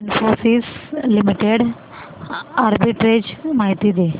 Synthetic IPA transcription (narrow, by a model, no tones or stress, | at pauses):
nfosiːslimiʈeɽ | aɾbiʈɾed͡ʑmaɦit̪iːd̪e